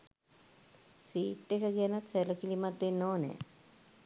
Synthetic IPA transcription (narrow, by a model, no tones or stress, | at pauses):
siːʈːekəɡianət̪seləkilimat̪denːoːnɛ̰ː